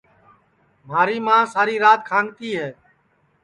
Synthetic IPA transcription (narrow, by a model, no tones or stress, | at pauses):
m̤aːɾiːmãːsaːɾiːɾaːt̪̚kʰãːŋɡt̪iːɦɛː